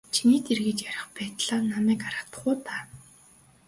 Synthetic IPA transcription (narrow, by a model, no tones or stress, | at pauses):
t͡ɕʰiniːt̪erɣĕt͡ɕjaɾʲɪ̆χpæːt̪ɮaːnːamæːkaɾat̪ə̥̆χʊːt̪aː